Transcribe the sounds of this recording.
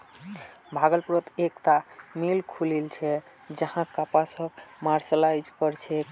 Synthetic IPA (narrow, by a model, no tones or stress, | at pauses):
bʱaɡəlpɾot̪ekt̪amilkʰulilt͡ʃʰɛ | d͡ʒəhãkapasəbmaɾsəlajd͡ʒkʌɾt͡ʃʰɛ